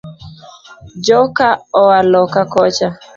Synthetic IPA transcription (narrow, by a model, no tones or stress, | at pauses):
d͡ʒɔkaɔwalɔkakɔt͡ʃa